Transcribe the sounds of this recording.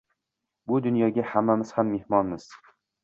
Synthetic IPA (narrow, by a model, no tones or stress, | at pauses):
bʊd̪ʊnjɒɡʲahamːamɪz̥hamːe̞hmɒnmɪz̥